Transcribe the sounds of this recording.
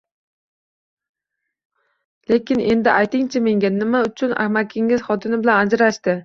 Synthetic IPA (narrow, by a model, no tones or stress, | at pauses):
le̞kʲɪne̞nd̪ɪʔajt̪ɪŋt͡ʃʰame̞ŋɡʲanɪmaʊt͡ʃʰʊna̰hmakʲʰːɪŋɪzχɒt̪ʰɪnɪbɪlanad͡ʒɾaʃt̪ɪ